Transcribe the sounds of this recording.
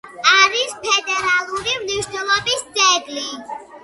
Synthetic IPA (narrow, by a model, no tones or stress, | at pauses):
aɾispʰɛd̪ɛɾaluɾimniʃnɔlɔbisɛɡli